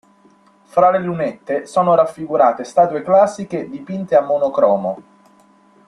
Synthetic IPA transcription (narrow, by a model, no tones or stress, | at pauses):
fɾalelunet̪ːesoːnoɾafːiɡuɾaːt̪est̪aːt̪ueklasːiked̪ipint̪eamːonokɾɔːmo